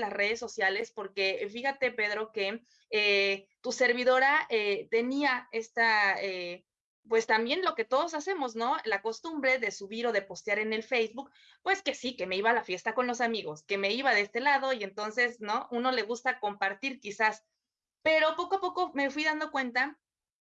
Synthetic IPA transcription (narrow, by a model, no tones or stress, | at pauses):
lasre̞ðe̞sːo̞sjale̞spo̞ɾke̞fixat̪e̞pe̞ðɾo̞ke̞ | et̪use̞ɾβ̞iðo̞ɾaet̪e̞niae̞st̪ae | pwe̞st̪ambje̞nlo̞ke̞t̪o̞ð̞o̞s̬ase̞mo̞zno̞lako̞st̪umbɾe̞ðe̞suβiɾo̞ðe̞po̞st̪jaɾe̞ne̞lfejzβuk̚ | pwe̞ske̞sike̞meiβaːlafje̞st̪ako̞nlo̞samiɣo̞ske̞me̞iβaðee̞st̪e̞laðo̞ie̞nt̪o̞nse̞sno̞ʔuno̞le̞ɣ̞ust̪ako̞mpaɾt̪iɾkisas | pe̞ɾo̞po̞koapo̞ko̞me̞fwiðand̪o̞kwe̞nt̪a